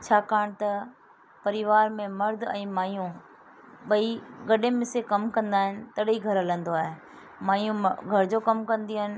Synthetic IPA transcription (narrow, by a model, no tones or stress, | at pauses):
t͡ɕʰaːkaːɽ̃t̪ɐ | pɐɾɪʋaːɾmẽmɐɾd̪ʱɛ̃ːmaːijũ | ɓɐiɡɐɗẽmɪsekɐmkɐ̃nd̪aːɦɪnɪ̆t̪ɐɗiɡʱɐɾɐlə̃nd̪oaːɦe | maːijũɡʱɐɾd͡ʑoːkɐmkɐ̃nd̪iəɦɪnɪ̆